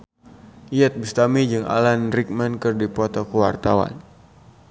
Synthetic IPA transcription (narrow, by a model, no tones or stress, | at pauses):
iɛt̪̚bust̪amid͡ʒɨŋa̰lanrik̚mɛnkɨrdipɔt̪ɔkəwart̪awa̰n